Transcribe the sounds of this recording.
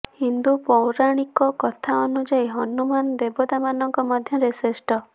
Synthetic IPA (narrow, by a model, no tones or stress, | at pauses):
hind̪upɔwɾaɽ̃ikɔkɔt̪ʰaɔnud͡ʒajɦɔnumanɔd̪ebɔd̪amanɔŋkɔmɔd̪ʱjɔɾesesʈɔ